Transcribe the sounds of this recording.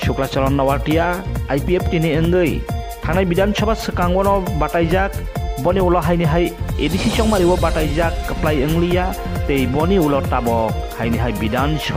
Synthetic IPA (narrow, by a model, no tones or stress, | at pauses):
suklat͡ʃɔɾɔnːawaɾtijaːjpiep̚tiniɯŋɡɯj | tʰaŋnajbidansʰɔbasɯkaŋbɔnɔbatajzak̚bɔniulɔɦajniɦajedisisɔŋmaɾibɔbatajzakːɯplajɯŋlɯja | tejbɔniulɔtabɔ | hajniɦajbidansɔ